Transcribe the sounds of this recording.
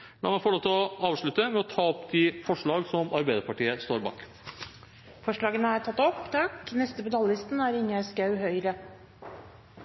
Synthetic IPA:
d̪oːmɑfɔɭoːt̪ɔɑːʋʂɭʉt̪ːəmɛɔt̪ʰɑːɔpd̪ʰɪfɔʂɭɑːɡsɔmɑɾbæɪd̪əɾpɑʈiːəst̪oːɾbɑ̰ːk | fɔʂɭɑːɡənəæːɾʈʰɑt̪ːɔpːt̪ʰɑkːnɛst̪əpɔːd̪ɑlːɪst̪næɾɪŋːəskɑʉɦœʏɾə

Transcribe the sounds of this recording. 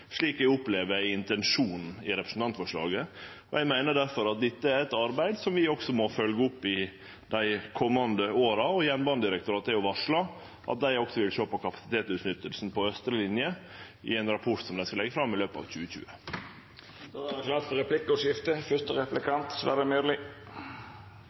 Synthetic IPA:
ʂɭiːkæɡʊpleːʋəɾæɪɪnt̪ɛnʂuːn̩ɪɾɛpɾəsn̩t̪ɑnt̪fɔʂɭɑ̰ːɡə | ɔjæɪmæɪnəɖæɾfɔɾɑt̪̚d̪ɛt̪ːəæɾɛt̪ɑɾbæɪd̪sɔmʋɪɔksɔmɔfœlɡəʊpːɪ | d̪æɪkʰɔmːɑnd̪əoːɾɑɔjɛnbɑnd̪ɪɾɛkt̪ʊɾɑːt̪ːæjʊʋɑʂɭɑ | ʔɑ̰t̪̚d̪æɪɔksɔʋɪlʃøːpɔkʰɑpɑ̥sɪ̥t̪ʰeːt̪sʉt̪nʏt̪ːəlsnpʰɔœst̪ɾəlɪnjə | ɪ̰æɪnɾɑpʰɔʈsɔmd̪æɪskɑlɛɡːəfɾɑmːɪløːpɑ̰ʋc͡çʉːəçʉ̰ːə | d̪klɑsɾɛpʰlɪkːəɔʂɪft̪əfœst̪əɾɛplɪkʰɑnt̪sʋæ̰ɾəmylɪ

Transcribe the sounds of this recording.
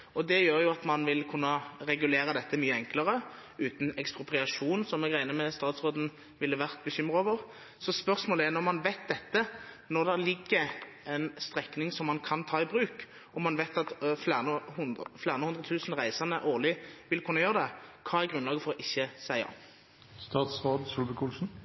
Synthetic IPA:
ɔd̪ɛjøːɾjʊɑt̪mɑnʋɪlkʰʉnːəɾɛɡʉleːɾəd̪ɛt̪ːəmyːəɛŋkləʁə | ʉːt̪n̩ɛkspʁʊpʁɪɑʂuːnsɔmɛɡʁæɪnəmɛst̪ɑːt̪sʁoːd̪n̩ | ʋɪlːəʋæʁt̪̚bəçʏmːʁəoːʋəʁ | sɔspœʁsmoːləæʁnɔʁmɑnʋæɪt̪̚d̪ɛt̪ːə | nɔʁd̪ɛlɪɡːə | ɛnst̪ʁɛknɪŋsɔmːɑnkʰɑnt̪ʰɑːɪbʁʉːk | ɔmːɑnʋæɪt̪ɑt̪fænəhʊflæːʁənəhʊnd̪ʁət̪ʰʉːsn̩ʁæɪsɑnəʔoːʁlɪʋɪlkʰʊnːəjøːʁəd̪ɛkʰɑːæʁɡʁʉnlɑːɡəfɔʁɔʔɪçːəsæɪɑ̰ | st̪ɑːt̪sʁoːd̪sulbəkʰuːlsn̩

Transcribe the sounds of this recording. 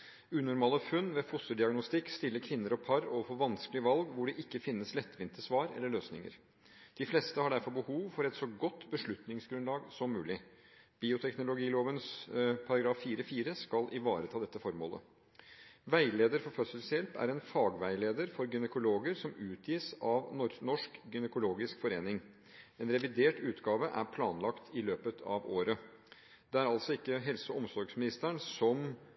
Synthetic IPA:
ʉːnʊɾmɑːləfʉnːʋeːfʊsəɖ̪ɪɑɡnʊst̪ɪkːst̪ɪlːəkʰʋɪnːəɾɔpʰɑɾɔʋfoːʋɑnskəlɪʋɑlɡʋʊɖɛʔɪkːəfɪnːəslɛt̪ːʋɪnt̪əsʋɑːɾɛ̰lːəɭøːsnɪ̰ŋə̰ɾ | d̪̥ɪflɛst̪əhɑɖæɾfɔɾbəhuːʋfɔɾɛt̪sɔɡɔt̪ːbəʂɭʉt̪nɪŋsɡɾʉnlɑːɡsɔmːʉːlɪb̥iːʊt̪ʰɛknʊlʊɡiːloːʋənspʰɑɾɑɡɾɑːfːiːɾəfiːɾəskɑlʔɪʋɑːɾət̪ʰɑːd̪ɛt̪ːəfɔɾmo̰ːlə̰ | ʋæɪleːd̪əɾfɔɾfœsəlsəjɛlpæ̰ɾɛnfɑːɡʋæɪleːd̪əɾfɔɾɡʏnəkʊloːɡəɾsɔmʉːt̪ʰjiːsɑʋnnɔʂkɡʏnəkʊloːɡɪskfɔɾeːnɪŋ | ɛːnɾɛʋɪd̪eːʈʉːt̪ɡɑːʋəʔæɾpʰlɑːnlɑkt̪ʰɪløːpət̪ʰɑ̰ʋoːɾə | d̪ɛæɾɑlt̪sɔɪkːəɦɛlsəɔmsɔɾɡsmɪnɪst̪æɳsɔm

